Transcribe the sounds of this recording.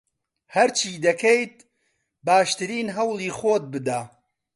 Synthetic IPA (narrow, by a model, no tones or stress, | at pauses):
hɐɾt͡ʃʰiːd̪ɐkʰejt̪̚ | baːʃt̪ɨɾiːnɦɐwlˠiːxoːt̪̚bɨd̪aː